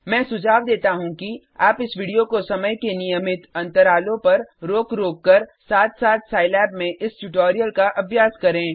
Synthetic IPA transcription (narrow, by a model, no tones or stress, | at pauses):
mɛ̃ːsʊd͡ʒʱaːʋd̪eːt̪aɦũki | aːpɪsʋiːɖijokosɐməjkenijəmɪt̪ɐ̃nt̪əɾaːlõpɐɾɾoːkɾoːkːəɾsaːt̪saːt̪saːɪlɛːbmẽʔɪsʈuʈoːɾijəlkaʔɐbʱjaːskɐɾẽː